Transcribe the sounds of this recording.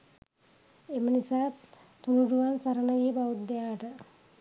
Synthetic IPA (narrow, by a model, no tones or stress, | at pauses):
emənisaː | t̪unuɖuʋansaɾənəɡijbaʋut̪d̪ejaːʈə